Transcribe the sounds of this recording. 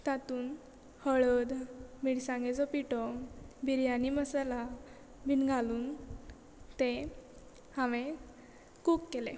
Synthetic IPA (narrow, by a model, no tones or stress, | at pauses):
t̪at̪uːn | həɭəd̪miɽsãŋɡed͡zɔpiʈɔbʱiɾjaniməsala | bʱinɡʱaluːn | t̪e | hãʋẽ | kukːelḛ̃